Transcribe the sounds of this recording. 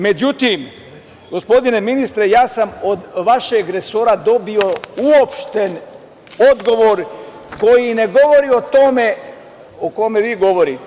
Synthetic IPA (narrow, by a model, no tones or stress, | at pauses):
me̞d͡ʑut̪im | ɡo̞spo̞d̪ine̞minist̪ɾe̞jaːsamod̪ʋaʃeɡɾesoːɾad̪o̞bio̞uopʃt̪en | od̪ɡo̞ʋoɾ | ko̞jine̞ɡo̞ʋo̞ɾio̞t̪ome | okome̞ʋiːɡo̞ʋo̞ɾit̪